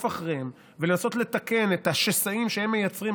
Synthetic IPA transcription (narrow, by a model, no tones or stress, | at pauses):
faχʁem | vele̞naso̞tle̞t̪ake̞net̪haʃesaimʃehemːe̞jat͡sʁim